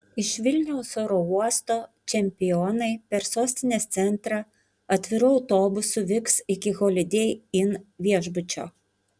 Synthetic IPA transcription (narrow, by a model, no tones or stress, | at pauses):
ɪʃʋʲɪlʲnʲɛʊsoːɾouɔst̪oːt͡ʃʲɛmʲpʲɪjoːnɐɪpʲɛɾsoːsʲt̪ʲɪnʲeːst̪sʲɛnˑt̪ɾɑ | ɐt̪ʲʋʲɪɾʊɐʊt̪oːbʊsʊʋʲɪksɪkʲɪɣoːlʲɪd̪ʲejɪnʋʲiɛʒbʊt͡ʃʲo̰ː